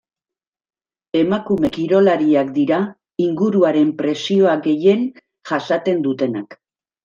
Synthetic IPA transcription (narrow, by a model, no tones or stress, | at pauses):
e̞makume̞kiɾo̞laɾiakd̪iɾa | iŋɡuɾuaɾe̞mpɾe̞sio̞aɡe̞je̞n | ʝasat̪e̞nd̪ut̪e̞nak